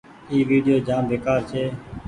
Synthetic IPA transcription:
iːʋiːɖɪjoːd͡ʒãːmbʱeːkaːɾt͡ʃʰeː

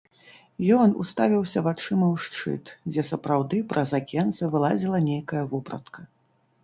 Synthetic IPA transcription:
jɔnṵst̪avʲiwsʲɐvat͡ʂɨmɐwʂt͡ʂɨ̰t̪d͡zʲɛsɐpɾawd̪ɨpɾʔɐzakʲɛnt̪sɐvɨlˠad͡zʲilˠɐnʲejkɐjɐvɔpɾɐ̰t̪kʰɐ

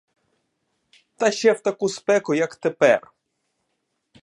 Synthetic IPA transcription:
t̪aɕɛwt̪akuspɛkɔjakt̪ɛpɛ̰r

